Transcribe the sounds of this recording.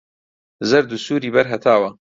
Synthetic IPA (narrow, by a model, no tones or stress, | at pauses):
zɐɾd̪usuːɾiːbɐɾɦɐt̪ʰaːwɐ